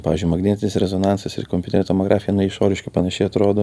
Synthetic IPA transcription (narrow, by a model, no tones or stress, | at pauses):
pɑːʋʲɪzʲd͡ʒʲʊɪmɐɡnʲiːt̪ʲɪnʲɪsɾʲɛzoːnɑnsɐsɪ̰komʲpʲuːt̪ʲɛɾʲɛt̪omoɡɾʔɑːfʲɪjɛnʊɪʃoːɾʲɪʃkʲɐpɐnɐʃʲɛɪɐt̪ɾoːd̪oː